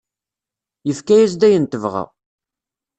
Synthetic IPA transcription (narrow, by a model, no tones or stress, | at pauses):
jəfkæjæs̬d̪æjənt̪əvʁa̰